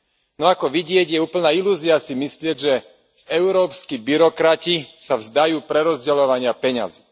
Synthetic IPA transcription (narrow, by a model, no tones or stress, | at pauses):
nɔakɔʋiɟɪɛɟjɛuːpl̩naːiluːziasimislɪɛɟʒɛ | ɛʊɾɔːpskibiɾɔkɾacisavzd̪ajuːpɾɛɾɔzɟɛlɔʋaɲɪapɛɲa̰zi